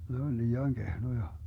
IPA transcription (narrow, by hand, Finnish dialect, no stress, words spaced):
ne on liːɑŋ ɡ̊ehnojɑ